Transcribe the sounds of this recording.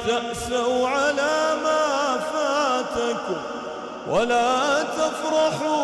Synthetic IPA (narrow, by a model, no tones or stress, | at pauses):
t̪aʔsawʕalaːmaːfaːt̪akʊm | wʔalaːt̪afɾˤɑħuː